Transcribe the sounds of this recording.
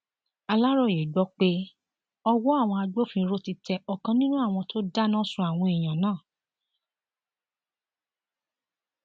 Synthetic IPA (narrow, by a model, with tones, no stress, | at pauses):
a˧la˦ɾɔ˦˨je˨ɡ͡bɔ˦k͡pe˦ | ɔ˧wɔ˦a˦˨w̃ɔ̃˧a˧ɡ͡bo˦fĩ˧ɾo˦ti˧tʰɛ˧ɔ˧kã˧nĩ˦nũ˦a˦˨w̃ɔ̃˧to˦da˦nã˦sũ˧˦a˨w̃ɔ̃˧i˨j̃ã˨nãː˦˨